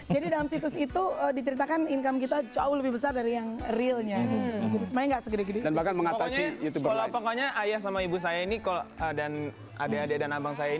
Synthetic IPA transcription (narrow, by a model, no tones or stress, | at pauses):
d͡ʒadidalamsit̪ʊsit̪uədit͡ʃəɾit̪akaninkamkit̪at͡ʃaʊləbɪhbəsardaɾijaŋrilɲaɾsmalaŋɡaʔsəɡəɾaɡədidanbahkanməŋat̪asijut̪ubəkalapakaɲaʔajahsamaibus̬ajainikaloədan | a̰daːdaadanabaŋsajain